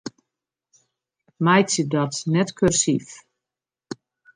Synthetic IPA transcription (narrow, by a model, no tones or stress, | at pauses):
majt͡sjədɔtnɛtkʰørsif